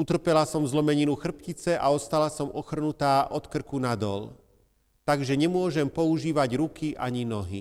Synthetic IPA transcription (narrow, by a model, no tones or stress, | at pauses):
ut̪r̩pɛlasɔmzlɔmɛɲinuxr̩pcit͡sɛʔa̰ɔst̪alasɔmɔxr̩nut̪aːʔɔt̪kr̩kunad̪ɔ̰l | t̪aɡʒɛɲɛmʊɔʒɛmpɔuʒiːʋaɟɾukiʔa̰ɲinɔɦḭ